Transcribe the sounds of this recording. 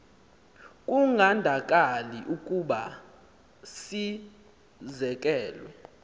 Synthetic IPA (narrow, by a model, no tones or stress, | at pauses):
kʼuŋʱandʱakʼaliʔukʼuɓa | si | zɛk̬ʼɛːlwɛ